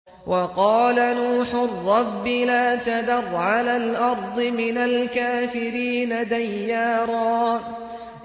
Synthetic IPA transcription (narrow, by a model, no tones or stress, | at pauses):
wʔɑqɑːlanuːħʊrˤːɑbːɪlaːt̪ad̪ɑrˤʕalalʔɑɾˤd̪ˤɨmɪnalkaːfɪɾiːnad̪ajːaːɾˤɑː